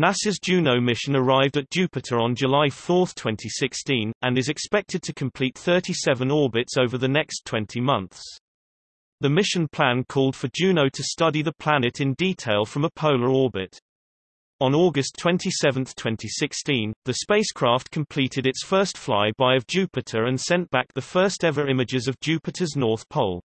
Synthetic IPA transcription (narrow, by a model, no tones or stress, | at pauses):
nasɪzd͡ʒʉːnəʊmɪʃə̃nəɹaɪvdət̚d̥ʒ̥ʉˑpɪtʰəɹə̃nd͡ʒəlaɪfɔˑθtʰw̥ɛ̃ntʰisɪkstĩnə̃nɪzɨkspɛk̚tʰɪd̚tʰəkʰə̃mpʰl̥iˑt̪̚θɜˑtisɛvə̃nɔːbɪtsəʊvəðənɛkstʰw̥ɛ̃ntʰimʌ̃nθs | ðəmɪʃə̃npʰl̥ãnkʰɔːlˠd̥fəd͡ʒʉːnəʊtʰəstʌdiðəpʰl̥anɪtʰɪ̃ndiˑtʰeɪlˠfɹə̃məpʰəʊləɹɔːbɪt | ə̃nɔɡəstʰw̥ɛ̃ntʰisɛvə̃nθtʰw̥ɛ̃ntʰisɪkstĩnðəspeɪskʰɹ̥ɑˑftkʰə̃mpʰl̥iˑtʰɪɾɪtsfɜˑstfla̰ɪbaɪəvd͡ʒʉˑpɪtʰəɹə̃nsɛ̃nb̥ak̚ðəfɜˑstɛvəɹɪ̃mɪd͡ʒɪzəvd͡ʒʉˑpɨtʰəznɔˑθpʰɒʊlˠ